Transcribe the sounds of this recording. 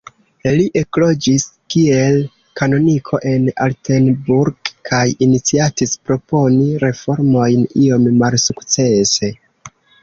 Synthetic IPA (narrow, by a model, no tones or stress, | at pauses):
liʔe̞klo̞d͡ʒiskie̞l | kano̞nikʰo̞ʔe̞na̰ltenbuɾɡkʰajinit͡siatispɾo̞po̞niɾe̞fo̞ɾmo̞jnio̞mmalsukt͡se̞se̞